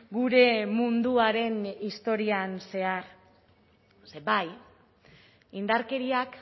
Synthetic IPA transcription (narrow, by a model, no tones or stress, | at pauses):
ɡuɾe̞mund̪uaɾe̞nist̪o̞ɾianse̞aɾ | sebaj | ind̪aɾke̞ɾiak